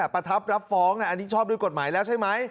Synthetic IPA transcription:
pɾa˧t̪ʰa˦˥p̚ɾa˦˥p̚fɔː˦˥ŋnɛ˧˩ʔa˧nːiː˦˥t͡ɕʰɔː˥˩p̚du˧jko˨˩t̪̚maː˩˦jlɛː˦˥wt͡ɕʰa˥˩jma˦˥j

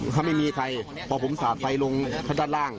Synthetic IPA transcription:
ɦa˧˥˩ma˥˩jmiː˧kʰa˧j | pʰɔː˧˩pʰo˨˦msaː˨˩t̪̚sa˧˩jlo˧ŋkʰa˧˥˩daː˧˩t̪̚laː˧˩ŋ

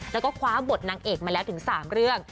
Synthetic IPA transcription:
lɛː˦˥wkɔː˥˩kʰwaː˦˥bo˨˩t̪̚naː˧ŋʔeː˨˩k̚maː˧lɛː˦˥wt̪ʰɯ˨˩˦ŋsaː˩˦mɾɯ˥˩əŋ

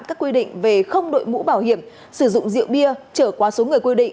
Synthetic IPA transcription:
nkaː˦˥kːwi˧ɗḭ̈˧˨ŋ̟ve˨˩xə˧wŋ͡mɗo̰˧˨jmṵ˧˥ɓaː˧˩whi˧˩əm | sɨ˧˩zʊ̰˧˨ŋ͡mzḭ˧˨əwɓi˧ət͡ɕəː˧˩kwaː˨˦so˨˦ŋɨ˨˩əjkwi˧ɗḭ̈˧˨ŋ

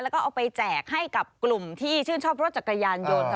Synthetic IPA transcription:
lɛ˦˥wkɔː˥˩ʔwpa˧jt͡ɕɛː˨˩k̚ha˥˩jka˨˩p̚klu˨˩mt̪ʰiː˥˩t͡ɕʰɯː˥˩nt͡ɕʰɔː˥˩p̚ɾo˦˥t̪̚t͡ɕa˨˩kːa˧jaː˧njo˧n˧

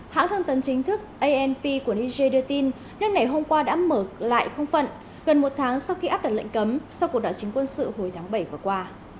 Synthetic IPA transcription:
ha̰ː˧˥ŋt̪ʰə˧ŋt̪ə˨˦nt͡ɕï˨˦ŋ̟t̪ʰɨ˦˥k̚ʔə˧jʔɛ˧npi˧ku˧˩əʔi˧ze˧ɗɨ˧˩ət̪i˧n | nɨ˦˥k̚na˨˩jɦo˧mkwaː˧ɗa̰ː˧˥məː˧˩la̰ː˧˨jxə˧wŋ͡mfə̰˧˨n | ɣə˨˩nmo˨˩t̚t̪ʰaː˨˦ŋsa˧wxi˧ʔaː˦˥p̚ɗə˨˩t̚lə̰˧˨ŋ̟kə˨˦msa˧wku˨˩ək̚ɗaː˨˩t͡ɕï˨˦ŋ̟kwə˧nsɨ̰˧˨ho˨˩jt̪ʰaː˨˦ŋɓə˧˩jvaː˨˩əkwaː˧

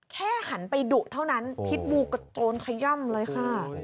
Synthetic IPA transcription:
kʰɛː˥˩ha˩˦npa˧jdu˨˩t̪ʰa˥˩wna˦˥npʰi˦˥t̪̚buː˧ka˧˩t͡ɕoː˧nkʰa˧jɔ˥˩mlɤː˧jkʰa˥˩

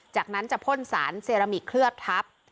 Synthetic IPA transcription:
t͡ɕaː˨˩k̚na˦˥nt͡ɕa˨˩pʰo˥˩nsaː˩˦nseː˧ɾa˧mi˨˩t̪̚kʰɾɯ˥˩ət̪ʰːa˦˥p̚

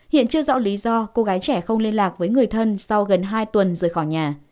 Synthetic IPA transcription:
hḭ˧˨ənt͡ɕɨ˧əzɔ̰˧˥wli˨˦zɔ˧ko˧ɣaː˨˦jt͡ɕɛ˧˩xə˧wŋ͡mli˧ənlaː˨˩k̚vəː˨˦jŋɨ˨˩əjt̪ʰə˧nsa˧wɣə˨˩nɦaː˧jt̪wə˨˩nzɨ˨˩əjxɔ˧˩jɲaː˨˩

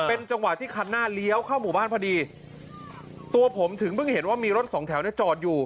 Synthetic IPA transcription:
pe˧nt͡ɕa˧ŋwa˨˩t̪ʰːiː˥˩kʰa˧nːaː˥˩li˦˥ə˨wkʰa˥˩wmuː˨˩baː˥˩npʰa˧diː˧ | t̪u˧ɐpʰo˩˦mt̪ʰɯ˩˦ŋpɯ˥˩ŋhe˩˦nwaː˥˩miː˧ɾo˦˥t̪̚sɔː˩˦ŋt̪ʰɛ˩˦wni˥˩ɐt͡ɕɔː˨˩t̪̚juː˨˩

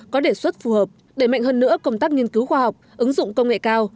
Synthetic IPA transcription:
kɔ˨˦ɗe˧˩swə˦˥t̚fu˨˩həː˨˩p̚ | ɗe˧˩ma̰˧˨jŋhəː˧nːɨ̰˧˥əkə˧wŋ͡mt̪aː˦˥k̚ŋɲi˧ənki˨˦wxwaː˧˩ɦa˨˩wk͡p̚ʔɨ˨˦ŋzʊ̰˧˨ŋ͡mkə˧wŋ͡mŋḛ˧˨kaː˧w

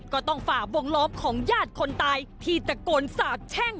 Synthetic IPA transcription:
kɔː˥˩t̪ɔ˥˩ŋfaː˨˩k̚bo˧ŋlɔː˦˥p̚kʰɔː˩˦ŋjaː˥˩t̪̚kʰo˧nt̪aː˧jt̪ʰiː˧˩t͡ɕ̪a˨˩koː˧nsaː˨˩t̪̚t͡ɕʰɛ˥˩ŋ

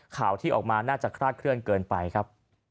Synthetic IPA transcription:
kʰaː˩˦wt̪ʰiː˥˩ʔɔː˨˩k̚maː˧naː˥˩t͡ɕa˨˩kʰɾaː˥˩t̪̚kʰɾɯ˥˩ənkɤː˧npa˧jkʰɾa˦˥p̚

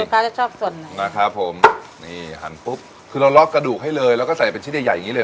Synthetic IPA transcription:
kaː˧˩t͡ɕa˨˩t͡ɕʰɔː˥˩p̚su˨˩ənːa˨˩na˦˥kʰɾa˦˥pʰːo˨˩˦mniː˥˩ɦa̰˩˦npu˦˥p̚ | kʰɯː˧ɾa˧wlɔ˦˥kːɾa˧duː˨˩k̚ha˥˩jlɤː˧jlɛː˦˥wkɔː˥˩sa˨˩˦jpe˧nt͡ɕʰi˦˥˩ja˨˩ja˨ŋi˦˥ləː˧

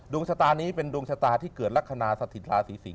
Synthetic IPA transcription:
du˧ŋsʰa˧t̪aː˧niː˦˥pe˧ndu˧ŋsʰa˧t̪aː˧t̪ʰiː˥˩kɤː˨˩t̪̚ɾa˦˥kʰa˧naː˧sa˧t̪ʰi˨˩t̪̚ɾaː˧siː˩˦si˨˩˦

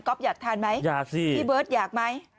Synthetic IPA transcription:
kɔ˦˥p̚zaː˨˩k̚t̪ʰaː˧nma˨˦jzaː˧˩k̚si˧˩i˧ɓəː˨˦˥t̚zaː˨˩k̚maː˧j

